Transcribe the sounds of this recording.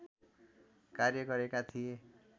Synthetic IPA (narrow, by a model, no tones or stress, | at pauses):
karjʌɡʌɾekat̪ʰije